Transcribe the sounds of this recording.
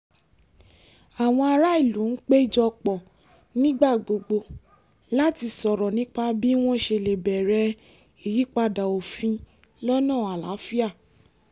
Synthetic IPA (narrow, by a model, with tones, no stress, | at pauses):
a˨w̃ɔ̃˧a˧ɾa˦i˦˨lũ˨˦n̩˦k͡pe˦i˦˨d͡ʒɔ˧k͡pɔ˨ | nĩ˦ɡ͡ba˦˨ɡ͡bo˨ɡ͡bo˧ | la˦ti˧sɔ˨ɾɔ˨nĩ˦k͡pa˧bi˦w̃ɔ̃˦ʃe˧˨le˨bɛ˨ɾɛ˧ | i˨ji˨˦k͡pa˧da˨o˨fĩ˧ | lɔ˦nãː˦˨a˨la˨˦fi˦a˦˨